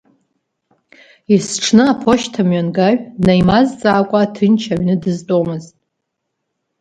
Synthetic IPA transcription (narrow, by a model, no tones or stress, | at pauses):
isʈ͡ʂʰnɨapʰo̞ʃtʰamɥanɡaɥnajmazt͡sʼaːkʷʼatʰɨnt͡ʃʰaɥnɨdɨztʼomɨztʼ